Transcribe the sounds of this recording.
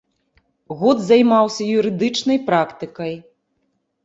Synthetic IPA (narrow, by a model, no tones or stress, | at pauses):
ɣɔd̪zajmawsʲɐjuɾɨd̪ɨt͡ʂnɐjpɾakt̪ɨkɐj